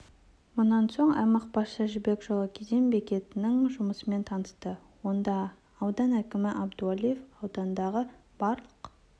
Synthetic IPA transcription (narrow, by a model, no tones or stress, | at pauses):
mʊnːɑnso̞ɴɑ̰mɑq̚bɑsʃɑʒɪbe̞kʒ̥olˠɑkʲʰezembe̞kʲe̞t̪ɪnɪŋʒʊməsəme̞nt̪ʰɑnəst̪ə | wo̞nd̪ɑː | wd̪ɑnækʲɪmɪʔɑbd̪ualˠijefɑwd̪ɑnd̪ɑʁəb̥ɑɾlˠəq